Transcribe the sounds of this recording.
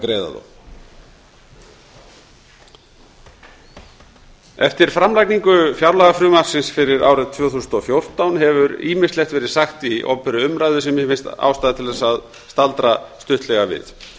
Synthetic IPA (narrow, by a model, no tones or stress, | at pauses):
kɾeːjða̰ðo̰ | ɛft̪ɪɾ̥fɾamlajkniŋkʏfjawɾlaɣafɾʏmar̥sɪnsfɪɾɪɾaːwɾɪt̪ʰv̥œːθusənɔfjowr̥t̪awnɦɛvʏɾḭːmɪ̥slɛxt̪vɛːɾɪðsaxt̪iʔɔ̰pʏɾʏʏmɾajðʏsɛmjɛfɪnst̪a̰ːwst̪aːðat̪ʰɪlðɛsað | st̪alt̪ɾast̪ʏht̪lɛɣavɪ̰ð